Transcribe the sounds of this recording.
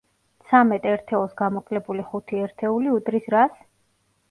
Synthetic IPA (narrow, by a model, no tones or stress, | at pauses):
t̪sʰamɛt̪ʼɛɾt̪ʰɛɔsɡamɔkʼlɛbuliχut̪ʰiɛɾt̪ʰɛuliut̪ʼɾisɾas